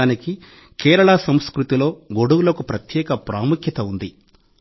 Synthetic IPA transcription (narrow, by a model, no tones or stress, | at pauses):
aːniki | kɛːɾɐɭasɐmskɾut̪ilo̞ːɡoɽuwulɐkupɾɐt̪jɛːkɐpɾaːmukʰjɐt̪ɐund̪i